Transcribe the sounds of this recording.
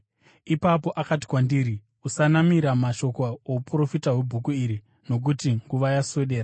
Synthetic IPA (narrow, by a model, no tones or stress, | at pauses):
ipapo̞ʔakati̥kwandiːɾi | usanamiɾamaʃo̞kaoupuro̞fitawebʱukuiɾi | no̞k̬utiŋɡuʋajaso̞ɗe̞ːra